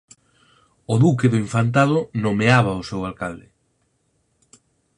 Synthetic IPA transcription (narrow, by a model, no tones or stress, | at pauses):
ʊðukeðʊiɱfant̪̬aðʊnomeaβaosewalkald̪ɪ